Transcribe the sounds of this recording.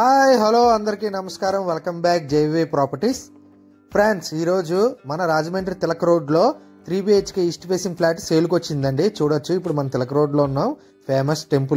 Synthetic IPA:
haːjɦɐloːɐnd̪ɐɾikiːnɐmɐskaːɾɐmʋelkɐmbaːk̚d͡ʒeʋeːpɾaːpɐɾʈis | pʰɾaːɳsiːɾo̞ːd͡ʒumɐnɐɾaːd͡ʒɐmeːɳʈɐɾit̪ɛlɐkɐɾo̞ːɖlo̞ː | t̪ɾiːbiet͡ʃkeisʈpeːsiŋɡpʰlaːʈseːlukot͡ʃːind̪ɐɳɖit͡ʃuːɽɐt͡ʃːuipːuɽumɐnɐmt̪ɛlɐkɐɾoːɖlo̞ːunːaːm | pʰeːmɐsʈe̞mpu

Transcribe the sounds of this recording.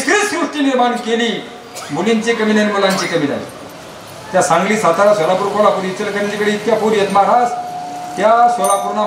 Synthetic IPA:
sɾissɾuʂʈiːniɾmaɳkeliː | muliɲt͡ɕikəmilanmulaɲt͡ɕikəmila̰l̰ | t̪jasãŋɡliːsat̪aɾasʋəlapuɾkʰoɭapuɾit͡səlkəɾant͡ɕikəɽiːt̪japuɾjət̪maɽast̪jasʋəlapuɾna

